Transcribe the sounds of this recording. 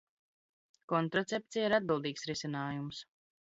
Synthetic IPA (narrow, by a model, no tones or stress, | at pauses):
kɔnt̪ɾɔt̪sep̚t̪sijaiɾad̪̚bilˠd̪iːksɾisɛnaːjums